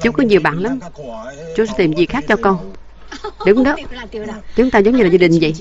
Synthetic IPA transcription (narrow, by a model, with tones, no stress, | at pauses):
t͡ɕu˨˦wkɔ˨˦ɲi˨˩ɓa̰ː˧˨nla˨˦m | t͡ɕʊ˨˦sɛ˧˦t̪i˨˩mzi˨˩xaː˦˥k̚t͡ɕɔ˧kɔ˧n | ɗʊ˨˦ŋ͡mɗɔ˨˦ | t͡ɕʊ˨˦ŋŋ͡mt̪a˧zə˨˦wŋ͡mɲɨ˧laː˨˩zaː˧ɗï˨˩ŋ̟zə̰˧˨j